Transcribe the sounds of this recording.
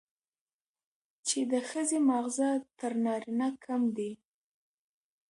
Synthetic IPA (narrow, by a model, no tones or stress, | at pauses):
t͡ʃed̪əxəzemɑɣzat̪əɾnɑɾinakʰamd̪i